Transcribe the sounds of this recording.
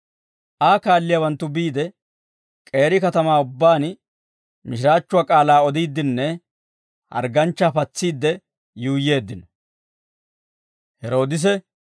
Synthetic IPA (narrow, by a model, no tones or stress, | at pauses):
ʔaːkaːlːɪjawɐnt̪ːʊbiːd̪ɛ | kʼe̞ːɾɪkɐt̪ɐmaːʊbːaːn | mɪʃɪɾaːt͡ʃːʊaːkʼaːlaːɔd̪iːd̪ːɪnːɛ | hɐ̰ɾɡɐnt͡ʃːapɐt͡sːiːd̪ːɛ | juːjːe̞ːd̪ːɪnɔ | hɛɾo̞ːd̪ɪs̬ɛ